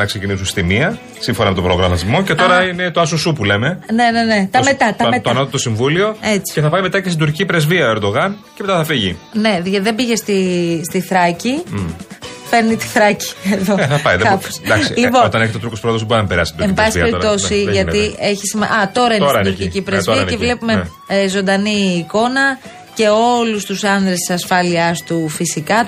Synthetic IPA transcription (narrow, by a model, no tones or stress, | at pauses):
nɐksecinisunst̪imiɐ | siɱfo̞nɐmet̪o̞bɾoɣɾɐmɐt̪izmo̞ce̞t̪o̞ɾɐine̞t̪oɐs̬osupule̞me̞ne̞ne̞ne̞t̪ɐmmet̪ɐt̪ɐmet̪oɐnot̪t̪osiɱvulio̞e̞t͡si̥ceθɐpɐjme̞t̪ɐcest̪id̪uɾcicipɾe̞zviɐoeɾd̪o̞ɣɐnceme̞t̪ɐθɐfiʝine̞ʝðe̞biʝest̪ist̪iθɾɐci | fe̞ɾnit̪i̥θɾɐci̥eðo̞ɐpɐiðekɐposd̪ɐsilipoot̪ɐneçet̪ot̪ɾukospɾoðozðboɾinɐpeɾɐ̰st̪ind̪ɾemibɐsisiɐpeɾit̪o̞siʝɐt̪ie̞çisimɐʔɐt̪o̞ɾɐinenduɾicipɾezviɐevle̞pume | zo̞nd̪ɐniːko̞nɐ | ce̞o̞lust̪usɐnd̪ɾest̪i̥sɐsfɐliɐst̪ufisikɐ